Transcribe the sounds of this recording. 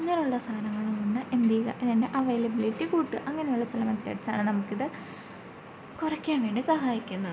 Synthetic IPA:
ɐŋːɐnejuɭːɐst̪ʰaːnɐŋːɐɭɐuɳɖɨʔend̪iːɣɐ̰ʔiðinde̞ʔɐʋejlɐbilitːikuːʈːɨʔɐŋːɐnejuɭːɐsɐlɐmɐt̪ːeɽit͡ɕːa̰ːɳɨnɐmukːiðɨ | kurɐkʲːaːnʋe̞ːɳɖisɐɦaːjikʲːunːɐðɨ

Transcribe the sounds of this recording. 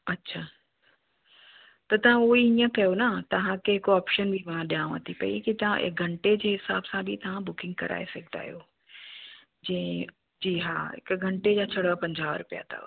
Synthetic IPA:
ɐtːɕʰaː | t̪ɐt̪ɐʋ̤ãuiĩjə̃kɐjonat̪ɐʋ̤ãkeɦɪkɔːpʃənbʱimãɗijãːʋɐt̪ʰipɐḭkit̪ɐʋ̤ã̰ʔɪ̰kɡʱɐ̃ɳʈed͡ʑeːɦɪsaːbsãbʱit̪ɐʋ̤ãbʊkɪ̃ŋɡ̚kɐ̰ɾa̰ːḛsɐkʰd̪a̰ːɦijoː | d͡ʑɛ̃ẽ | d͡ʑiːɦaːɦɪ̰kɡʱɐ̃ɳʈed͡ʑaːt͡ɕʰɐɽapɐ̃ɲd͡ʑaːʋɾʊpija̰t̪ʰa̰

